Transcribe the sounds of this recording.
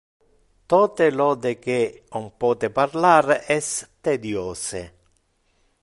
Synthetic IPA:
t̪ɔːt̪elɔːd̪ek̟eompɔːt̪ɪparlaːɾɛst̪ed̪jɔːseɪ̰

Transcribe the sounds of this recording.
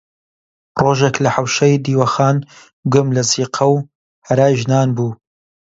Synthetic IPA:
roːʒeklɐħɐwʃɐjd̪iːwɐxaːn | ɡʊmlɐziːqʰɐw | hɐɾaːjʒnaːnbuː

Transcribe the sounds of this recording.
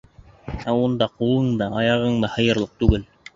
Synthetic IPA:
æund̪ɑqulˠɤɴd̪ɑɑjɑʁɤɴd̪ɑhɤ̆jɤ̆ɾlˠɤq̚t̪ʉɡɘl

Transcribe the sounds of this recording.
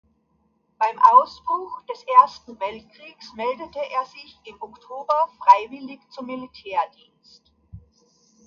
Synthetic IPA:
b̥aɪmʔaʊsb̥ʁʊxd̥ɛsʔeːɐstn̩vɛlt̚kʁ̥iːksmɛldətəʔeːɐzɪçɪmɔktʰoːbɐfʁ̥aɪvɪlɪçt͡sʊmːilitʰɛːɐdiːnst

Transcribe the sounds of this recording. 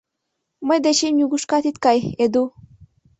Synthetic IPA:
məjd̪et͡ɕemnʲuɡuʃkat̪it̪kɑjed̪u

